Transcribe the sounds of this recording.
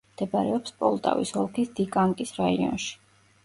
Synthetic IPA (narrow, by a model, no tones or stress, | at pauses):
d̪̥ɛbaɾɛɔpspʼɔlˠt̪ʼa̰vḭshɔlˠkʰisd̪̥ikʼaŋkʼisɾaiɔ̰nʃi̥